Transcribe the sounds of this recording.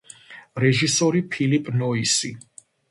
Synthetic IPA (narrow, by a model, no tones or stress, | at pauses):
ɾɛʒisɔɾipʰilipʼnɔisi